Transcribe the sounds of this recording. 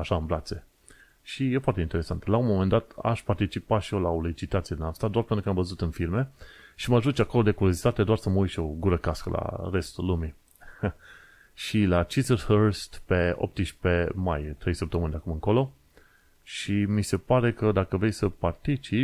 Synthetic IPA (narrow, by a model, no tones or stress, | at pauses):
aʃaɨnvlat̪se̞ | ʃije̞foaɾrt̪e̞int̪eɾe̞sant̪launmo̞mend̪at̪a̰ʃpart̪it͡ʃipaʃiolaolit͡ʃit̪at̪sijed̪inast̪ad̪oarpent̪ɾukəamvəzut̪ɨnfilme̞ʃimaʒut͡ʃʲako̞lo̞d̪e̞kuɾjo̞zit̪at̪ed̪oarsəməujt̪ʃio̞ɡuɾəkaskəla̰re̞st̪ulːumi | ʃilat͡ʃizərhərst̪pe̞o̰p̚t̪iʃʲpe̞majt̪ɾe̞jsəp̚t̪əmɨnʲd̪eakumɨ̃ŋko̞lo | ʃimise̞paɾe̞kəd̪akəvɾejsəpart̪it͡ʃip